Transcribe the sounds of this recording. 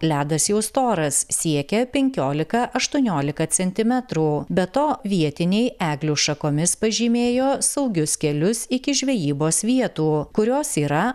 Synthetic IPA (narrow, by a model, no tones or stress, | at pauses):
lʲæːd̪ɐsjɛʊst̪oːɾɐssʲiɛkʲɛpʲɛŋʲkʲoːlʲɪkɐʔɐʃt̪uɔnʲoːlʲɪkɐsʲɛnʲt̪ʲɪmʲɛt̪ɾuːbʲɛt̪oːʋʲiɛt̪ʲɪnʲɛɪæːɡlʲuːʃɐkoːmʲɪspɐʒʲiːmʲeːjoːsɐʊɡʲʊskʲɛlʲʊsɪkʲɪʒʲʋʲɛjiːboːsʋʲiɛt̪uːkʊɾʲoːsiːɾɐ